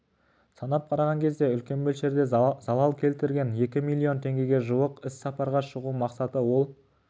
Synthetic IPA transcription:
sɑnɑp̚qʰɑɾɑʁɑŋkʲʰe̞zd̪e̞ʏlkʲe̞nbɵlʃe̞ɾd̪e̞z̥ɑlˠɑlˠkʲʰe̞lt̪ɪɾɡʲe̞nje̞kʲɪmilʲˠːio̞nt̪ʰe̞ŋɡʲe̞ɡʲe̞ʒuəqɪsːɑpɑɾʁɑʃəʁumɑqsɑt̪əwo̞lˠ

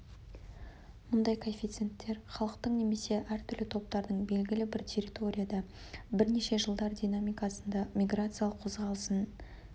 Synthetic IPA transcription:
mʊnd̪ɑjkʰoefʲijt̪sent̪ːe̞ɾχɑlˠəqt̪əɴne̞me̞se̞ʔæɾt̪ʰʏɾlɪt̪ʰo̞p̚t̪ɑɾd̪əɴbe̞lɡʲɪlɪbɪɾt̪ʲʰe̞ɾʲit̪o̞ɾʲijad̪ɑ | bɪɾne̞ʃe̞ʒəlˠd̪ɑɾd̪ʲijnamijkasənd̪ɑmʲijɡrat̪sɨjalˠəqʰo̞zʁɑlˠəsən

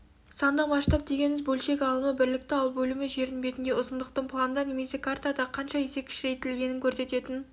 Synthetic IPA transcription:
sɑnd̪ɑmɑʃt̪ɑp̚d̪e̞ɡʲe̞nmɪzbɵlʃe̞kʲɑlˠəməbɪɾlɪk̚t̪ɪɑlˠbɵlɪmɪʒe̞ɾɪnbe̞t̪ɪnd̪e̞ʊsəmd̪əqt̪əɴpʰlˠand̪ɑne̞me̞se̞kʰart̪ad̪ɑqʰɑnʃɑese̞p̚kʲʰɪ̥ʃɾe̞jt̪ːɪlɡʲe̞nɪŋkʲʰɵɾse̞t̪e̞t̪ɪn

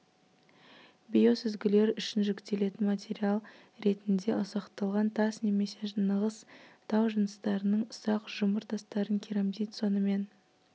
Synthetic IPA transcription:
bʲijo̞sʏzɡʲɪle̞ɾʏʃɪnʒɪkt̪e̞le̞t̪ɪnmat̪ʲʰeɾialˠ | ɾe̞t̪ɪnd̪e̞ʔʊzɑqt̪ɑlˠʁɑnt̪ʰɑsne̞me̞se̞ʒnəʁəst̪ʰɑwʒənəst̪ɑɾənəɴʊsɑqʒʊməɾt̪ʰɑst̪ɑɾəŋkʲʰiɾemd̪ejt̪so̞nəme̞n

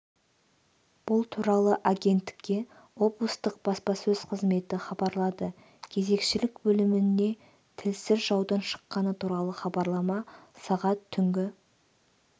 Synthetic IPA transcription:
b̥ʊlˠt̪ʰuɾɑlˠəʔaɡʲe̞nt̪ːɪ̥kʲːe̞ | wo̞blˠəst̪əq̚b̥ɑspɑsɵzqʰəzme̞t̪ɪχɑbɑɾlˠɑd̪ə | kʲʰe̞ze̞kʃɪlɪkbɵlɪmɪnːe̞ | t̪ʰɪlsɪɾʒɑwd̪ɑnʃə̥qːɑnət̪ʰuɾɑlˠəχɑbɑɾlˠɑmɑsɑʁɑt̪ʰːʏŋɡʲɪ

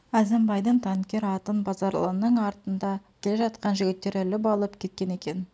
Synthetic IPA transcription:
æzembɑjd̪əɴt̪ʰɑŋkʲe̞ɾɑt̪ənbɑzɑɾlˠə̰nːəɴɑɾt̪ənd̪ɑkʲʰe̞le̞ʒɑt̪qɑnʒʏɡʲɪt̪ːe̞ɾɪlɪp̬ɑlˠəpkʲʰe̞t̪̚kʲe̞ne̞kʲe̞n

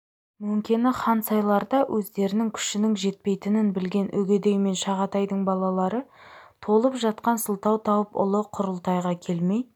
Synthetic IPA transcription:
mɵmkʲenɪχɑnsɑjlˠɑɾd̪ɑwʔɵzd̪e̞ɾɪnɪŋkʲʰʏ̥ʃɪnɪŋʒe̞t̪̚pe̞jt̪ɪnɪnbɪlɡʲe̞nʔɵɡʲed̪e̞jme̞nʃɑʁɑt̪ɑjd̪əɴbɑlˠɑlˠɑɾət̪ʰo̞lˠəpʒɑt̪̚qɑnsəlˠt̪ɑwt̪ʰɑwəpʊ̰lˠəqʰʊɾəlˠt̪ɑjʁɑkʲʰe̞lme̞j

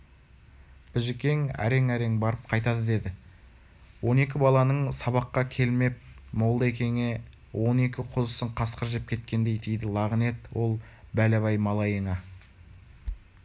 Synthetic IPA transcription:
b̥ɪʒɪkʲe̞ŋæ̰ɾe̞ŋæɾe̞ŋbɑɾəp̚qʰɑjt̪ɑd̪əd̪e̞d̪ɪ | wo̞ne̞kʲɪbɑlˠɑnəɴsɑβɑqːɑkʲʰe̞lme̞p̚mowlˠd̪əekʲe̞ŋe̞ | wo̞ne̞kʲɪqʰʊzəsəɴqʰɑsqəɾʒep̚kʲʰe̞t̪kʲe̞nd̪e̞jt̪ʰijd̪ɪlˠɑʁəne̞t̪wo̞lˠ | bælæβɑjmɑlˠɑjəɴɑ

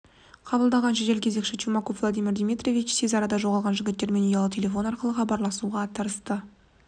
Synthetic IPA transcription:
qʰɑbəlˠd̪ɑʁɑnʃeʒelkʲʰe̞ze̞kʃɪt̪ʲʰumɑkovlˠod̪ijmiɾd̪ʲijmit̪rʲo̞vit͡ʃsʰezɑɾɑd̪ɑʒo̞ʁɑlˠʁɑnʒɪɡʲɪt̪ːe̞ɾme̞nojɑlˠət̪ʲʰe̞lʲe̞fo̞nɑɾqəlˠəχɑbɑɾlˠɑsuʁɑt̪ʰəɾəst̪ə

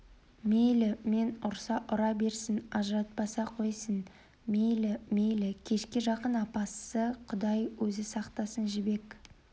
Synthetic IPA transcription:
mejlɪme̞nʊɾsɑʔʊɾɑbe̞ɾsɪnɑʒəɾɑt̪̚pɑsɑqʰo̞jsən | mejlɪme̞jlɪkʲʰe̞ʃkʲeʒɑqənɑpɑsəqʰʊd̪ɑjwɵzɪsɑqt̪ɑsənʒɪbe̞k

